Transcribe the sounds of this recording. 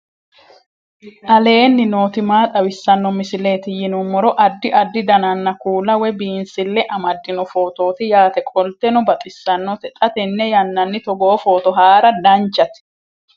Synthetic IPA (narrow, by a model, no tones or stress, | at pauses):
ʔɐle̞ːnːɪno̞ːt̪ɪmaːt̪ʼɐwɪsːɐnːɔmɪsɪle̞ːt̪ɪjɪnʊmːɔɾɔʔɐd̪ːɪʔɐd̪ːɪd̪ɐnɐnːɐkuːlɐwɛbiːnsɪlːɛʔɐmɐd̪ːɪnɔfo̞ːt̪o̞ːt̪ɪjaːt̪ɛkʼɔlt̪ɛnʊbɐt̪ʼɪsːɐnːɔt̪ɛt̪ʼɐt̪ɛnːɛjɐnːɐnːɪt̪ɔɡoːfo̞ːt̪ɔɦaːɾɐd̪ɐnt͡ʃːɐt̪ɪ̥